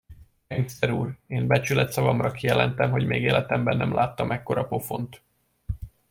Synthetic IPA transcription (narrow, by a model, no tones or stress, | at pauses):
ɛɲsɛɾuːreːmbɛt͡ʃylɛt̪sɒvɒmrɒkijɛlɛnt̪ɛmɦo̞ɟmeːɡeːlɛt̪ɛmbɛnːɛmlaːt̪ːɒmʔɛkːo̞ɾɒpo̞fo̞̰nt̪